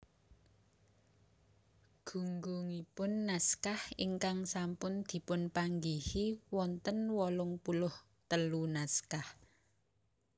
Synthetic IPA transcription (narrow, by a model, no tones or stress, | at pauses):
ɡ̥ṳŋɡuŋipʊnːaskahḭŋkaŋsampʊnd̪̥i̤pʊnpaŋɡihiwɔnt̪ənwɔlʊŋpulʊh | t̪əlunaskah